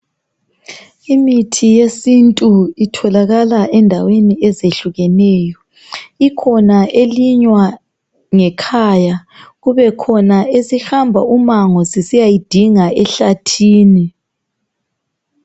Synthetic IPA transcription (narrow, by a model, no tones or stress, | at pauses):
imitʰijesintʼuitʰɔlaɣalaʔɛndʱaweniɛzeɬuɣɛnɛːjɔ | ikʰɔnaʔeliɲwa | ŋɛkʰaːja | ɣuβɛkʰɔnaezixambʱaumaŋɔsisijajid̥ʱiŋaɛɬatʰiːni